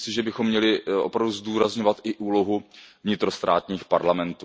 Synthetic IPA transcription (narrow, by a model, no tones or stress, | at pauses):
sɪʒɛbɪxomːɲɛlɪʔo̞̰pɾavduzd̪uːɾazɲo̞vat̪ʔɪʔuːlo̞ɦuvɲɪt̪ɾo̞st̪ɾa̰ːt̪ɲiːxpaɾlamɛnt̪uː